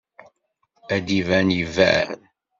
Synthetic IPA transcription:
æd̪ivænjəvæ̰n

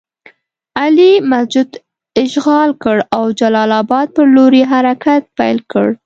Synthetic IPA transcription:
alimasd͡ʒʊd̪ | ɪʃɣɑlkəɽawd͡ʒalɑlɑbɑd̪̚pəɾloɾeɦaɾakat̪̚pajlkə̰ɽ

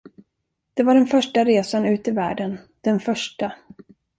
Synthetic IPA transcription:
d̪̥ɛvaɖɛnfœʂʈaɾeːsanʉ̟ːt̪ɪvæ̰ːɖən | d̪̥ɛnfœʂʈa

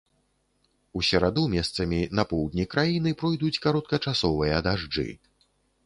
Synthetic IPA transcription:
usʲɐɾad̪umʲɛst̪sɐmʲinɐpɔwd̪ʲnʲikɾajinɨpɾɔjd̪ut͡sʲkaɾɔt̪̚kɐt͡ʂasɔvɨjɐd̪aʐd͡ʐɨ̰

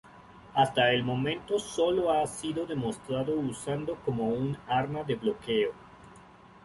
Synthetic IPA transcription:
ast̪aelmo̞mẽ̞nt̪oso̞loasiðo̞ðe̞most̪ɾaðousand̪oko̞mounaɾnaðe̞βlo̞keo

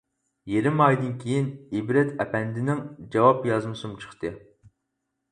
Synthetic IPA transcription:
jeɾɪmɑjd̪ɨnkʲʰejinibɾɛt̪ʰɛpʰɛnd̪ɪnɪŋd͡ʒɑwɑpjɑzmɨsumt͡ʃʰə̥χt̪ɨ

